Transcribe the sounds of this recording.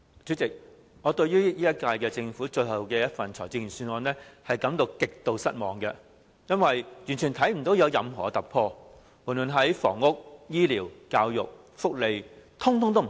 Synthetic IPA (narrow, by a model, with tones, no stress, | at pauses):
t͡syː˨˥t͡sɪ˨k̚ | ŋɔː˨˧t̪ɵ˧ɥyː˥jiː˥jɐ˥t̚kaː˧jkɛː˧t͡sɪ˧ŋfuː˨˥t͡ʃɵ˧ɥhɐ˨˩wkɛː˧jɐ˥t̚fɐ˨nt͡ʃʰɔ̰ː˨˩jt͡si˧ŋjy˨˩nsy˨˧nɔː˨˧nɛː˥hɐ˨jkɐ˨˥mt̪o˧wkɪ˨k̚t̪o˧wsɐ˥t̚mɔː˨ŋkɛ˧ | jɐ˥nwɐ˨jjyː˨˩nt͡ʃʰy˨˩nt̪ʰɐ˨˥jm̩˨˩t̪o˨˥wjɐ˨˧wjɐ˨˧mɦɔ̰ː˨˩˧t̪ɐ˨˩k̚pʰɔː˧ | muː˨˩nlɵː˨˩nɦɐ˨˥jfɔ̰ː˨˩ŋːʊ˥k̚jiː˥liː˨˩wkaː˧wjʊ˨k̚ | fʊ˥k̚le˨jt̪ʰʊ˥ŋt̪ʰʊ˥ŋt̪o˥m˨